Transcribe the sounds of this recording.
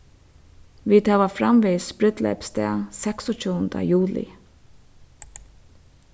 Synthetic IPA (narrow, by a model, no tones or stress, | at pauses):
ʋɪt̪ʰɑːʋafɾa̰mʋɪːspɾɪt̪lɛ̰pst̪ɛ̰ːsɛksɔt͡ʃʰuːənd̪ə̰juːlɪ̰